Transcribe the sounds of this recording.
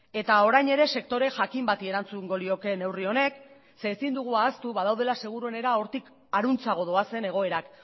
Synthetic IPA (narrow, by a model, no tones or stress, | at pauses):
e̞t̪ao̞ɾajɲe̞ɾe̞se̞k̚t̪o̞ɾe̞ʝakimbat̪ie̞ɾant͡suŋɡo̞lio̞ke̞ne̞wrio̞ne̞k | se̞ːsind̪uɣ̞uaːst̪uβaðawðe̞lase̞ɣ̞uɾue̞ne̞ɾao̞ɾt̪ik | aɾunt͡saɣ̞o̞ðo̞ase̞ne̞ɣ̞o̞e̞ɾak